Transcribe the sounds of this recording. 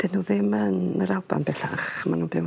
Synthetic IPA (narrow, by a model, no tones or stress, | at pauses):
d̥ɪnuðɪmənəɾalˠba̰nbɛɬaχmanuːnbɪw